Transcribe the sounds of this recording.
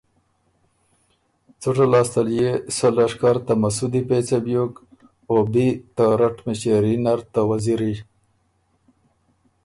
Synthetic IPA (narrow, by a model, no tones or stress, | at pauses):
t͡suʈalɑːst̪aljesolaʂkaɾt̪amasud̪ipet͡sabjok | obit̪aɾaʈmɪɕeɾinaɾt̪awaziɾi